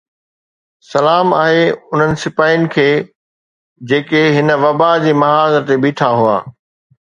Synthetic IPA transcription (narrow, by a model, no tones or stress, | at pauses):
sɐlaːma̰ːɦeʊn̤ənɪ̆sɪpaːɪjʊnɪ̆kʰeː | d͡ʑeːkeɦɪnə̆ʋɐbad͡ʑeːmɐɦaːzəɾt̪ebiːʈʰaɦʊa̰ː